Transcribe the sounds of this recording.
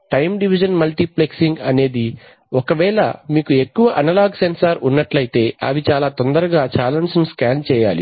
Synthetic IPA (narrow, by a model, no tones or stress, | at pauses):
ʈɐjmɖiʋid͡ʒɐnmɐlʈipleksiŋɡɐne̞ːd̪i | ɔkɐʋɛːlɐ̰miːkue̞kːuʋɐʔɐnɐlaːɡsensɐɾunːɐʈlɐjt̪e̞ːʔɐ̰ʋit͡ʃaːlaːt̪ond̪ɐɾɐɡaːt͡ʃaːlɐnsnuskaːnt͡ʃɛːja̰ːlḭ